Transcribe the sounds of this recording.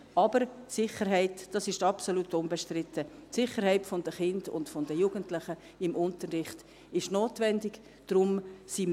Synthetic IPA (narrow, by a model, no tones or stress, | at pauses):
ʔɑbəɾsɪχəɾɦɛɪtd̥ɑsɪʃtɑpsolutʊnbɛʃtrɪtətsɪχəɾhɛɪtfɔndəχɪndʊ̰ntfɔndəjuːɡəntlɪχə | ɪmʔʊntərːɪχt | ɪʃnoːtvɛndɪɡ | d̥ɾʊmsim